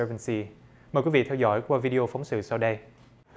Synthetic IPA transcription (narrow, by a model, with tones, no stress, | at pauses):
vɛ˧nsi˧ | məː˨˩jkwi˨˦vḭ˧˨t̪ʰɛ˧wzɔ̰˧˥˩jkwaː˧vi˧ɗi˧ʔo˧fa˨˦wŋ͡msɨ̰˧˨sa˧wɗə˧j